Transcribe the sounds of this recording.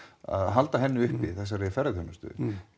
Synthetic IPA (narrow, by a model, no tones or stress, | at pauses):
a̰ðɦalt̪aɦɛnːɪʏhpiθɛsːaɾeɪfɛɾɪθœnːḁst̪ʏ̰ð